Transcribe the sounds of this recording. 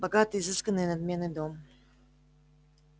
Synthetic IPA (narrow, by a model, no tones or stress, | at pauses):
bɐɡat̪ɨjzɨskənːɨjnɐd̪mʲe̞nːɨjd̪o̞m